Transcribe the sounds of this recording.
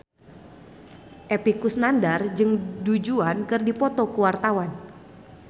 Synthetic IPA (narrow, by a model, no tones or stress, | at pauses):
ʔepikusnandard͡ʒɨŋdud͡ʒuankɨrdipɔt̪ɔkuwart̪awan